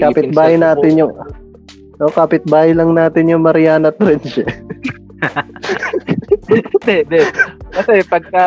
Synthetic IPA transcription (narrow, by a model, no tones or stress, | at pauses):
kaːpɪt̪̚baːhajnaːt̪ɪnjʊŋ | ʔokaːpɪt̪̚baːhjlɐŋnaːt̪ɪnjʊŋmɐɾɪjaːnɐt̪ɾɛnd͡ʒɛ | d̪ɛd̪ɛkɐsɛpɐɡ̚kɐ